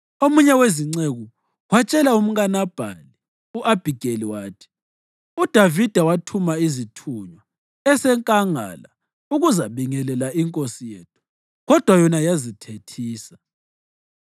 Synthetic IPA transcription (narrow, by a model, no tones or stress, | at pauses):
omuɲɛweziŋ͡ǀeɣu | wat͡ʃʼɛlaum̩ɣanab̥ʱa̰li | uʔab̥ʱiɡ̥ʱeliwaːtʰi̥ | ud̥ʱavid̥ʱawatʰumaizitʰuɲwa | ɛsɛŋkʼaŋa̰la | uɣuzaβiŋɛlɛlaiŋkʼosijeːtʰu̥ | ɣɔd̥ʱwajɔnajazitʰetʰiːsḁ